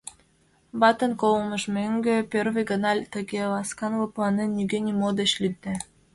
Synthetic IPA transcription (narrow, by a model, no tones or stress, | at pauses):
βɑt̪ə̆nkolmə̆ʃmøŋɡøpʲørβə̆jɡə̆nɑlʲt̪ə̆ɡʲelɑskɑnlɤplˠɑnenːyɡʲenʲimod̪ĕɕlʲyt̪̚ːe